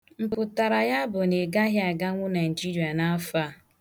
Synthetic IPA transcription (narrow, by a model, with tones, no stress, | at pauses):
ŋ͡m̩˨k͡pʊ˨ta˨ɾa˨ja˦bʊ˨ne˨ɡa˦ɦja˨ɡa˦ŋʷʊ˦na˨n̩˨d͡ʒi˦ɾi˨a˨na˦fa˦˨